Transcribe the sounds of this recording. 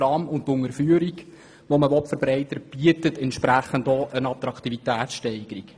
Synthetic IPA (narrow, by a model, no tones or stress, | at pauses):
ɑmʊnttʊŋəɾfyːəɾiɡ | ʋoməʋɔtfəɾbɾɛɪtəɾb̥iətətɛntʃpɾæχəndoːʔənɑt̪ɾɑkʰt̪ivitæːt̪sʃtɛɪɡəɾik